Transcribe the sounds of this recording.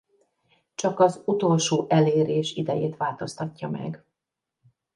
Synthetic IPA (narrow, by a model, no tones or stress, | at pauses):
t͡ʃɒkɒzut̪o̞lʃoːʔɛleːɾeːʃid̪ɛjeːt̪ʋaːlt̪o̞st̪ɒcːɒmɛ̰ɡ